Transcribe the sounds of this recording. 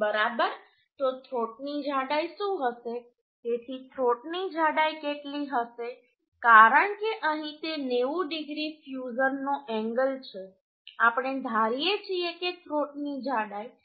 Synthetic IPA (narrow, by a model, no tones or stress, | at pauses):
bəɾabəɾ | t̪ot̪ʰɾoʈnid͡ʒʱaɽajʃũɦəʃe | t̪et̪ʰit̪ʰɾoʈnid͡ʒʱaɽajkeʈliɦəʃe | kaɾəɳkeʔəɦĩt̪eneʋũɖɪɡɾifjuzəɾnoʔɛ̃ŋɡəlt͡ʃʰe | apɽ̃ed̪ʱaɾijet͡ʃʰieket̪ʰɾoʈnid͡ʒʱaɽaj